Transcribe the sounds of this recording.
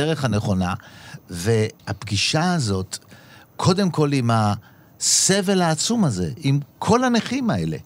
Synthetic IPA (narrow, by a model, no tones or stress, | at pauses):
eʁeχhane̞χo̞nave̞hapɡiʃaːzo̞t | kʰo̞de̞mko̞lima | se̞velhaːt͡sumaze̞̰imkʰo̞laneχimae̞le̞̰